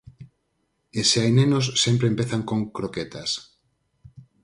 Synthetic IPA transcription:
eseajnenos̬ːempɾeempeθaŋkoŋkɾoket̪as

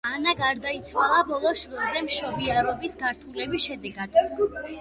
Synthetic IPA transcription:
anaɡaɾd̪ait̪sʰwalˠabɔlˠɔʃvilˠzɛmʃɔbiaɾɔbisɡaɾt̪ʰulɛbisʃɛd̪ɛɡad̪̥

